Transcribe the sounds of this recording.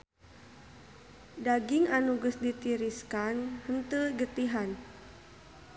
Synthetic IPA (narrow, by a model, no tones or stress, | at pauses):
daɡiŋanuɡəsdit̪iɾiskanhənt̪əɡət̪iɦan